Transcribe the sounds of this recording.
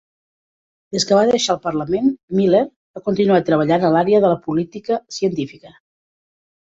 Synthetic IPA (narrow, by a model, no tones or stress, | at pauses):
d̪̥eskəβaðəʃaːlˠpərləmenmileɾ | bakunt̪inuat̪ɾəβ̞əʎanəlaɾeəðələpulit̪ikəsiənt̪ifikə